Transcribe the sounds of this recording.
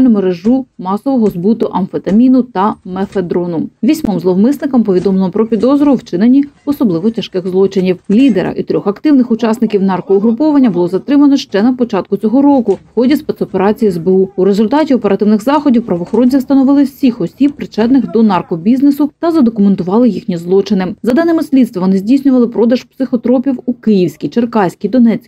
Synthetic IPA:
lʲnʊmeɾeʒumɑsɔʋɔɦɔzbut̪ʊʔɐnfet̪ɐmʲinʊt̪ɐmefed̪ɾɔnʊʋʲisʲmɔmzlˠɔwmɪsnɪkɐmpɔʋʲid̪ɔmlɔpɾɔpʲid̪ɔzɾɔwt͡ʃɪnenʲːiɔsɔblˠɪʋɔtʲɐʃkɪxzlˠɔt͡ʃɪnʲiwlʲid̪eɾɐ̰ʔḭt̪ɾʲɔxɐkt̪ɪwnɪxʊt͡ʃɑsnɪkʲiwnɑrkɔʊɦɾʊpɔʋɐnʲːɐbʊlˠɔzɐt̪ɾɪmɐnɔʃt͡ʃɛnɐpɔt͡ʃɑt̪̚kʊt͡sʲɔɦɔɾɔkʊwxɔdʲispɛt̪sɔpeɾɑt͡sʲijiɛzbeuuɾezʊlʲt̪ɑtʲiɔpeɾɐt̪ɪwnɪxzɑxɔdʲiwpɾɐʋɔxɔɾɔnʲt͡sʲist̪ɐnɔʋɪlˠɪwsʲixɔsʲip̚pɾɪt͡ʃɛd̪nɪxd̪ɔnɑrkɔbʲiznesʊt̪ɐzɐd̪ɔkʊment̪ʊʋɑlˠɪjixnʲizlˠɔt͡ʃɪnɪzɐd̪ɑnɪmɪsʲlʲid̪st̪ʋɐʋɔnɪzʲdʲijsʲnʲʊʋɐlˠɪpɾɔd̪ɐʃpsɪxɔt̪ɾɔpʲiwukɪjiwsʲkʲijt͡ʃerkɑsʲkʲijd̪ɔnɛt͡sʲkʲ

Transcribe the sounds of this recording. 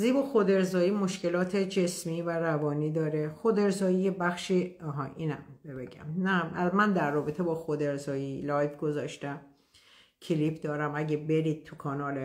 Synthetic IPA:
ziːbɒxod̪e̞ɾzɒːjiːmoʃce̞lɒːt̪ʰed͡ʒe̞smiːværævɒːniːd̪ɒːɾexod̪e̞ɾzɒːjijebæxʃiɒɦɒʔiːnæmbebeɟæ̰mnæmʔæzmænd̪ærːɒːbet̪ʰebɒːxod̪eɾzɒːjilɒːjvɡozɒːʃt̪æm | cʰeliːpʰd̪ɒːɾæmæɟebe̞ɾiːd̪̥̚t̪ʰukʰɒːnɒːle

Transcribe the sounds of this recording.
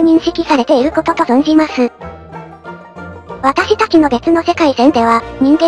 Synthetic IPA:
ɲ̟ĩɰ̃ɕikʲisaɾe̞t̪e̞iɾɯ̟ko̞t̪o̞t̪o̞zõn̟d͡ʑimasɨ | βat̪aɕit̪at͡ɕino̞be̞t͡sɨno̞se̞kaisẽnd̪e̞β̞aɲ̟ĩŋɡẽ

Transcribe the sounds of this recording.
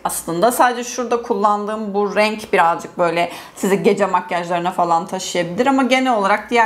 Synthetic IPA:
aslˠɯnd̪asaːd̪ed͡ʒɛʃuɾd̪akʰulˠːand̪ɯːmbuɾɛɲcbiɾazd͡ʒɯk̚bø̞jlʲɛ | siziɟe̞d͡ʒɛmakjaʒlˠaɾɯnafalˠant̪ʰaʃɯjabilʲiɾamaɟe̞nɛlo̞lˠaɾak̚d̪ijæ

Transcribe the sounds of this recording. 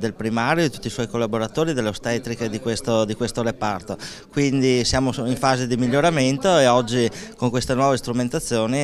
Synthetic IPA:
d̪elpɾimaːɾjod̪it̪ut̪ːiswɔjkolːaboɾat̪oːɾid̪elːeost̪ɛt̪ɾiked̪ikwest̪od̪ikwest̪oɾepart̪o | kwind̪isjaːmoiɱfaːzed̪imiʎːoɾament̪oeɔd͡ʒːikoŋkwest̪enwɔːvest̪ɾument̪at̪sːjoːni

